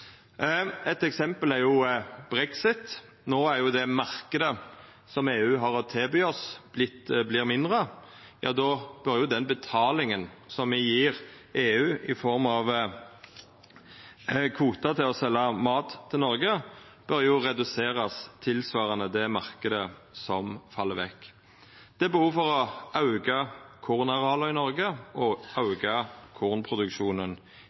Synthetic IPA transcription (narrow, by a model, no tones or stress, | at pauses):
ɛt̪ɛksɛmpəlæɾjʊb̥ɾɛksɪt̪ | noːæɾjʊd̪ɛmɑʁkəd̪ə | sɔmeːʉːɦɑɾɔt̪ʰeːbyːɔsb̥lɪt̪blɪːʁmɪnd̪ʁə | jɑ̰ːd̪ɔːb̥œɾjʊd̪ɛnbət̪ʰɑːlɪŋənsɔmʋɪjiːɾeːʉːɪfɔɾmɑʋ | kʰʋuːt̪ɑt̪ʰɪlɔsɛlːɑmɑːt̪ʰːɪlnɔʁɡə | b̥œɾjʊʁɛd̪ʉseːʁɑst̪ʰɪlsʋɑːʁɑnəd̪ɛmɑʁkəd̪əsɔmfɑlːəʋɛkː | d̪̥ɛːbəhuːfɔʁɔɑʉɡɑkʰuːʁnɑʁɑːləɪnɔʁɡəɔɑʉɡɑkʰuːʁnpʰʁʊd̪ʉkʃuːnən